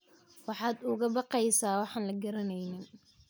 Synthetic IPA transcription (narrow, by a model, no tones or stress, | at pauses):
wɑħɑːd̪ʊɣɐbɑqɛjsaːwɑħɑːnlɐɡɐɾɐnɛjnɪn